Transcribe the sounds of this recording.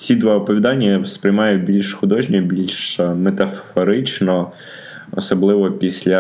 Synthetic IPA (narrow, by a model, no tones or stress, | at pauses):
t͡sʲid̪ʋaɔpɔʋʲid̪ɑnʲːɐspɾʲɪjmɑjʊbʲilʲʃxʊd̪ɔʒnʲɛbʲilʲʃmet̪ɐfɔɾɪt͡ʃnɔ | ɔ̰sɔblˠɪʋɔpʲisʲlʲɐ